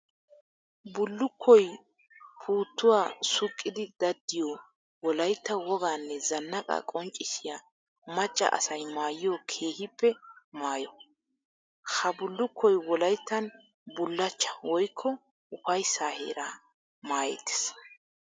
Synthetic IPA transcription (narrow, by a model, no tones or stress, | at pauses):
bʊlːʊkʰːɔj | pʰuːt̪ːʊwaːsʊkʼːɪd̪ɪd̪̥ɐd̪ːɪjɔ | wɔlɐjt̪ːɐwɔɡaːnːɛzɐnːɐkʼɐ̰kʼɔnt͡ʃʼːɪʃɪja | mɐt͡ʃʼːɐ̰ʔɐ̰sɐjmaːjɪjokʰe̞ːhɪpːɛmaːjɔ | hɐbʊlːʊkʰːɔjwɔlɐjt̪ːɐn | bʊlːɐt͡ʃːɐ̥wɔjkʰːɔ | ʊɸɐjsaːhḛːɾa | maːjɛ̰t̪ːe̥s